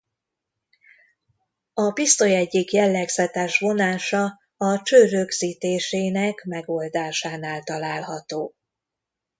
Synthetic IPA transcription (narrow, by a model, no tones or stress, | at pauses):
ɒpist̪o̞jɛɟːikjɛlːɛɡzɛt̪ɛːʃvo̞naːʃɒ | ɒt͡ʃøːɾøɡz̥iːt̪eːʃeːnɛkmɛɡo̞ld̪aːʃaːnaːlt̪ɒlaːlɦɒt̪oː